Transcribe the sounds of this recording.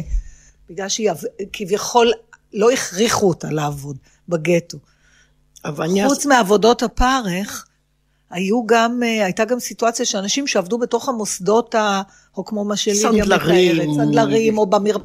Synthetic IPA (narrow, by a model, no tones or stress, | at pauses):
biɡlalʃejavkʰivjaχo̞llo̞iχʁiχutalaːvo̞d | baɡeto | avut͡smiavo̞do̞thapaʁeχ | ajuɡamajtaɡamsituat͡sjaʃeanaʃimʃeavdubeto̞χamosdo̞ta | ho̞kmo̞maʃeliaeʁet͡sad̪laʁimo̞bamiʁ